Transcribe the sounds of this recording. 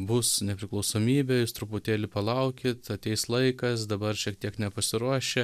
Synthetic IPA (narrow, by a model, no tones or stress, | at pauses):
bʊsnʲɛpʲɾʲɪklˠɐʊsoːmʲiːbʲɛjuːst̪ɾʊpʊt̪ʲeːlʲɪpɐlˠɐʊkʲɪt̪ɐt̪ʲɛɪslˠɐɪkɐs̬d̪ɐbɐrʃʲiɛk̚t̪ʲiɛknʲɛpɐsʲɪɾuɔʃʲɛ